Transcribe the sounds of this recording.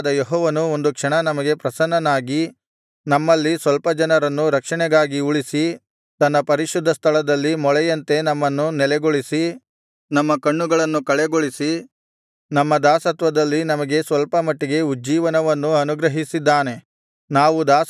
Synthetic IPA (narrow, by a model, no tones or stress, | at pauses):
d̪ɐjeɦɔːʋɐnuo̞nd̪ukʂɐɳɐnɐmɐɡe̞pɾɐsɐnːɐnaːɡi | nɐmːɐlːisʋɐlpɐd͡ʒɐnɐɾɐnːuɾɐkʂɐɳɛɡaːɡiuɭisi | t̪ɐnːɐpɐɾiʃud̪ʱːɐst̪ʰɐlɐd̪ɐlːimɔɭɛjɐnt̪e̞nɐmːɐnːunɛlɛɡoɭisi | nɐmːɐkɐɳːuɡɐɭɐnːukɐɭɛɡoɭisi | nɐmːɐd̪aːsɐt̪ʋɐd̪ɐlːinɐmɐɡe̞sʋɐlpɐmɐʈːiɡe̞ud͡ʒiːʋɐnɐʋɐnːuɐnuɡɾɐɦisid̪ːaːne̞ | naːʋud̪aːs